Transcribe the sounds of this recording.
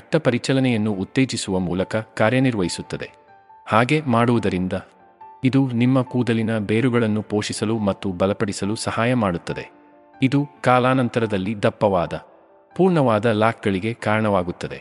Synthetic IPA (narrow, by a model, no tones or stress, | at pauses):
ɐʈːɐpɐɾit͡ʃɐlɐnɛjɐnːuːt̪ːe̞ːd͡ʒisuʋɐmuːlɐkɐkaːɾjɐniɾʋɐɦisut̪ːɐd̪e̞̰ | haːɡemaːɽuʋud̪ɐɾind̪ɐ | id̪unimːɐkuːd̪ɐlinɐbeːɾuɡɐɭɐnːupo̞ːʂisɐlumɐt̪ːubɐlɐpɐɽisɐlusɐhaːjɐmaːɽut̪ːɐd̪e̞̰ | id̪ukaːlaːnɐnt̪ɐɾɐd̪ɐlːid̪ɐpːɐʋaːd̪ɐ | puːɾɳɐʋaːd̪ɐlaːk̚ɡɐɭiɡe̞kaːɾɐɳɐʋaːɡut̪ːɐd̪e̞̰